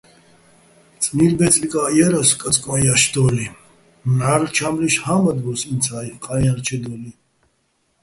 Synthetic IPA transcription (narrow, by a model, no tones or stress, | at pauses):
t͡sʼniɾbɛt͡sʼlikʼajɛɾəskʼət͡sʼkʼɔjaʃd̪ɔli | naɾt͡ʃʰamliʃhaməd̪bɔsint͡sʰaiqʼaaɾt͡ʃʰɛd̪ɔli